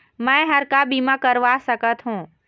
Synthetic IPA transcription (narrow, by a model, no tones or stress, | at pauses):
mɛ̃ːɦɐɾkabiːmakəɾʋasɐkət̪ɦũː